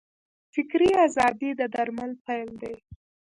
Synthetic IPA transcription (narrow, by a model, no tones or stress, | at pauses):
fɪkɾiazɑd̪id̪əd̪aɾmalpajld̪aj